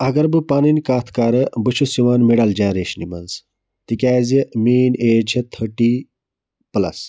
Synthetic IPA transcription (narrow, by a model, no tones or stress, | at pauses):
ɐɡɐɾbɨpaːninʲkaːt̪ʰkaːɾɨbɨt͡ʃʰusiʋaːnmiɽɐld͡ʒãːɾeːʃnḭmɐ̰ns | t̪ikʲaːzimiːneːd͡ʒʰɐt̪ʰəʈi | plɐ̰s